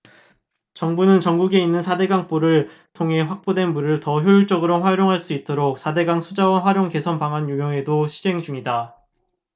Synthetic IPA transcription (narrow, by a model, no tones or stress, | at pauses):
t͡ɕʌŋbunɯnt͡ɕʌŋɡuɡe̞inːɯnsʰade̞ɡaŋp͈oɾɯɭ | tʰoŋɦe̞ɸwak̚p͈odwe̞nmuɾɯɭtʌçjojuɭt͡ɕ͈ʌɡɯɾoɸwaɾjoŋɦaɭs͈uit͈̚oɾok̚sʰade̞ɡaŋsʰud͡ʑawaɸwaɾjoŋke̞sʰʌnpaŋɦanjumjʌŋe̞doɕʰid͡ʑe̞ŋd͡ʑumɲida